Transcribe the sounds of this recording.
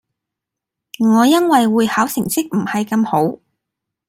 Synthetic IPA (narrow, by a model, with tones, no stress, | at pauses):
ŋɔː˨˧jɐ˥nwɐ˨jwuː˨˧jhaː˨˥wsɪ˨˩ŋsɪ˥k̚m̩˨˩hɐ˨jkɐ˧mho˨˥w